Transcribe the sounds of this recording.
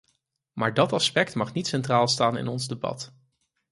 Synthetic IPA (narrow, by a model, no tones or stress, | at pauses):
maːɹdɑtɑspɛk̚tmɑχnitsɛntraːlˠstaːnɪ̰nɔnzdebɑ̰t